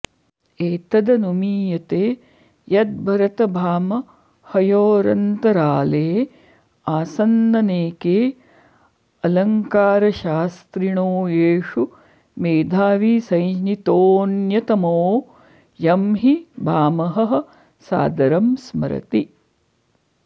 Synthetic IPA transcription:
eːt̪ɐd̪ɐnumiːjɐt̪eː | jɐt̪̚bʱɐɾɐt̪ɐbʱaːmɐ | hɐjoːɾɐnt̪ɐɾaːleː | aːsɐnːɐneːkeː | ɐlɐŋkaːɾɐʃaːst̪ɾiɳoːeːʂu | meːd̪ʱaːʋisɐjd͡ʒnit̪oːnjɐt̪ɐmoː | jɐmɦibʱaːmɐɦɐ̆ɦɐ̆ | sa̰ːd̪ɐɾɐmsmɐ̰ɾɐ̰t̪i

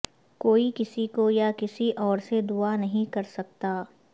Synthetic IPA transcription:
koːikɪsikojakɪsiʔɔːɾsed̪uanɐɦĩkɐɾsɐk̚t̪aː

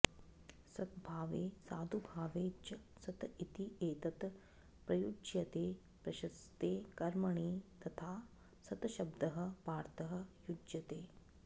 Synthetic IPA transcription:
sɐt̪̚bʱaːʋeːsaːd̪ʱubʱaːʋeːt͡ʃɐ | sɐt̪it̪ieːt̪ɐt̪ | pɾɐjud͡ʒjɐt̪eː | pɾɐʃɐst̪eːkɐɾmɐɳiːt̪ɐt̪ʰaː | sɐt̪ʃɐbd̪ɐɦɐ̆paːɾt̪ɐɦɐ̆jud͡ʒjɐt̪eː

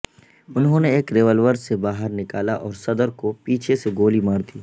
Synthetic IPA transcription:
ʊnɦõneeːkɾeːʋəlʋəɾsebaːɦəɾnɪkaːlaʔɔːɾsɐd̪əɾkopiːt͡ʃʰeseɡoːlimaːɾd̪iː

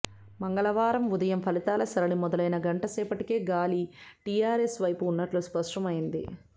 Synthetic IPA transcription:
mɐŋɡɐɭɐʋaːɾɐmud̪ɐjɐmpʰɐlit̪aːlɐsɐɾɐɭimɔd̪ɐlɐjnɐɡɐɳʈɐsɛːpɐʈike̞ːɡaːliʈijaːɾesʋɐjpuːnːɐʈluspɐʂʈɐmɐjind̪ḭ

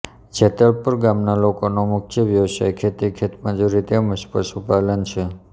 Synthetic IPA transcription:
d͡ʒʰet̪əɭpəɾɡamnalokonomʊk̚t͡ʃʰəʋjəʋʃa̰jkʰet̪ikʰet̪mãd͡ʒuɾit̪eməʃpə̰ʃupalənt͡ʃʰe

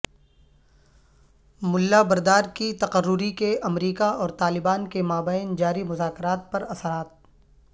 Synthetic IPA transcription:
mʊlːabɐɾd̪aːɾkit̪ɐqərːʊɾikeɐmɾiːkaɔːɾt̪aːlɪbaːnkemaːbaːɪnd͡ʒaːɾimʊzaːkɪɾaːt̪̚pɐɾɐsəɾaːt̪̚

